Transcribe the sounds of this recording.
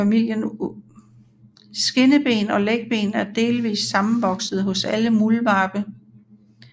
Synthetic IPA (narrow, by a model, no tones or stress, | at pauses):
æmil̰jən | sɡ̥e̝nəb̥e̝̰ːnɒ̽leɡ̥̚b̥e̝̰ːnæɐd̥e̝ːlʋḭːsːɑ̈mn̩ʋɒ̽ɡ̥səð̞̩ˠɦɔ̽sæləmulʋɑ̈ːb̥ə